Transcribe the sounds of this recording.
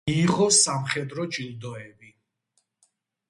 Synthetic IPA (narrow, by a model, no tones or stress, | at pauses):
iːʁɔsamχɛd̪ɾɔt͡ʃʼild̪ɔɛbi